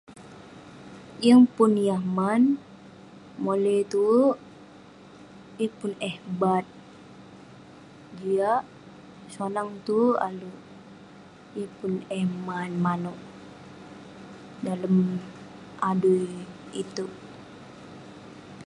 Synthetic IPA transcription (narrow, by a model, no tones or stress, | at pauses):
jəŋpʊnjahman | molɛt̪u | jəpʊnɛhbat̪̚ | d͡ʒiaʔ | sanaŋt̪ua̰lu | jəpʊnɛhmanmanɔʔ | daləm | ʔadujit̪u